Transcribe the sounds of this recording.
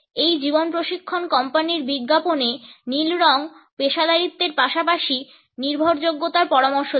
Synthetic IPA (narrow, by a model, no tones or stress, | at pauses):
ejd͡ʑibonpɾoʃikʰːonkɔmpaniɾbiɡːaponenilɾɔŋpeʃad̪ʱaɾit̪ːeɾpaʃapaʃi | niɾbʱoɾd͡ʑoɡːot̪aɾpɔɾamoɾʃo